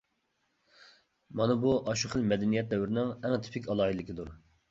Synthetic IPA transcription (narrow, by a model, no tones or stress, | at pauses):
mɑnɨbuʔɑʃuχəlmɛd̪ɛnijɛt̪̚d̪ɛwɾɪnɪŋɛŋt̪ʰɪ̥pʰɪkʲɑlˠɑːɦilɪkʲid̪uɾ